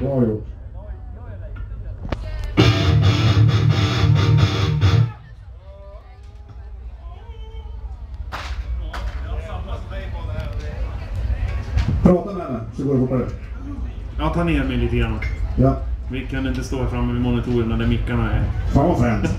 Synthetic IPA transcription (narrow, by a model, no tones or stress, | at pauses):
aju | pʰɾɑːt̪amɛɛnasɔɡoːɾɪhoːpːad̪ɛ | jɑːt̪ʰɑːneːɾmɛɪliːt̪əɡɾanːajavɪkʰanɪnt̪əst̪oːæɾfɾamːəvɪmɔnɪt̪ʰuːɾəmnad̪ɛmɪkːaɳaɛɾfaːnvafɛːnt̪